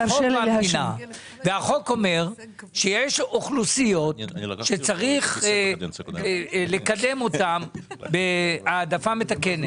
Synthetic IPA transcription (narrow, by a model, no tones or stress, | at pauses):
oaina | veaχo̞ko̞me̞ʁ | ʃejeʃoχlusijo̞t̪ʃe̞t͡saʁiχ | le̞kad̪e̞mo̞t̪ambeadafametake̞net